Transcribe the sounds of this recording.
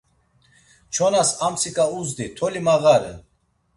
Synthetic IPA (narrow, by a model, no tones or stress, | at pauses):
t͡ʃʰɔnasamsʰikʼauzd̪it̪ʰɔlimaɣaɾɛ̰